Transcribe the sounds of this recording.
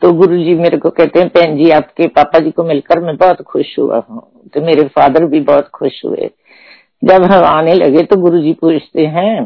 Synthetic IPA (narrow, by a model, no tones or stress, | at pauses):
t̪oɡʊɾud͡ʒiːmeːɾekokɛɦt̪eɦɛ̃pɛ̃ːnd͡ʒiːaːpkepaːpad͡ʒiːkomɪlkəɾmɛ̃bɔːt̪xʊʃɦʊ̰a̰ɦõ̰ː | t̪omeːɾefaːd̪əɾbʱibɔːt̪xʊʃɦʊ̰ḛː | d͡ʒɐbɦɐ̃maːnelɐ̰ɡet̪oɡʊɾud͡ʒipuːt͡ʃʰt̪eɦɛ̃ː